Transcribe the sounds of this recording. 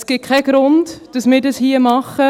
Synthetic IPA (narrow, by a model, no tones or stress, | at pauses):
sɡ̥ɪkʰɛɡ̥ɾʊndd̥ɑsmɪːdɑshiəmɑχə